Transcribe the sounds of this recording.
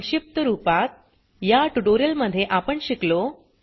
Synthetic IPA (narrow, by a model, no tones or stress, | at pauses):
ɕip̚t̪əɾupat̪̚ | jaʈuʈoɾijəlməd̪ʱːjeʔapəɳɕiklo